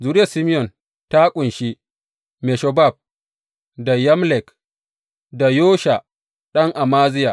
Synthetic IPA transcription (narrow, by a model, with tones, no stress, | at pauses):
zuː˨ɾɪ˦jɐ˨si˦mɪ˦jɔ˨n | ta˦kʷʼʊ˨nʃi˦ | me˨ʃɔ˨ba˦˨b̚ | da˨jɐ˦mlɛ˨k | da˨joː˦ʃa˨ | ɗɐ˦ŋʔa˨maː˦zɪ˦ja˨